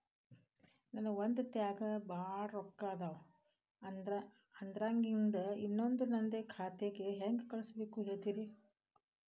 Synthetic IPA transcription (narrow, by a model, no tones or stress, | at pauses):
nɐnɐʋond̪ut̪jaːɡɐbaːɽɾɔkːaːd̪a | ɐnd̪ɾaːŋɡind̪ɐinːond̪unɐnd̪ekʰaːt̪eɡe̞ɦeːŋɡekɐɭusɐbeːkuɦeːɭt̪iːɾi